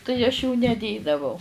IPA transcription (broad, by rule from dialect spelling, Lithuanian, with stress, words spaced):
tɐɪ ɐʃ juː nʲɛˈdʲeːdɐʋɐʊ